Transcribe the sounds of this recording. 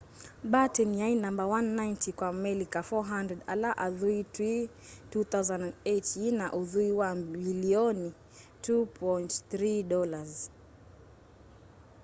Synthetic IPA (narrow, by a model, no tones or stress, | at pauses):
ɓatɛnjajnãmbawanːajntikwamɛlikafɔɦandɾɛdalaʔaðuitwi | tuθawzanetinaʔuðuiwabiliɔni | tupʰɔjntθɾiɗɔlaz